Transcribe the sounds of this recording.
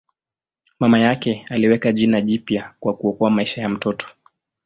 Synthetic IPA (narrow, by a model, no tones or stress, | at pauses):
mamajakɛaliwɛkaʄinaʄipjakwakuɔkɔamaiʃajam̩tɔtɔ̥